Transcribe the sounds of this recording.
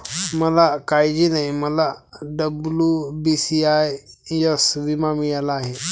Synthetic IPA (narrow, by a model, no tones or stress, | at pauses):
mɐlakaːid͡ʒinɐĩmɐlaɖəblubisiajjɐsʋimamijalaːɦi